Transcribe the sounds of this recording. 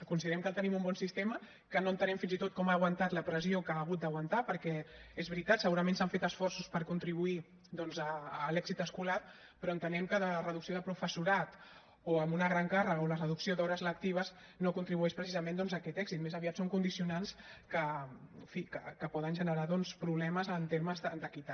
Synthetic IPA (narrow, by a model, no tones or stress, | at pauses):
kunsiðɾɛmkəlˠt̪ənimumbɔnsist̪emə | kənoənt̪ənɛmfinzit̪ot̪̚kɔmaːɣwant̪at̪ləpɾəziokaːɣ̞ut̪̚d̪əɣwənt̪apəɾkɛezβɾit̪at̪səɣuɾəmẽnsaɱfet̪əsfɔrsuspəɾkunt̪ɾiβui | d̪ɔnzəːlɛɡzit̪əskulat | pɾɔənt̪ənɛmkəðərəðuksioðəpɾufəsuɾat̪ | oəmbunəɣɾaŋkarəɣəolərəðuksiod̪ɔɾəzlək̚t̪iβ̞əz | nokunt̪ɾiβuɛʃpɾəsizəmend̪ɔnzəkɛt̪ɛɡzit̪mezəβiat̪soŋkund̪isiunanskəfikəkəpɔðənʒənəɾaðɔnspɾuβlɛməzənt̪eɾməzðəd̪əkit̪a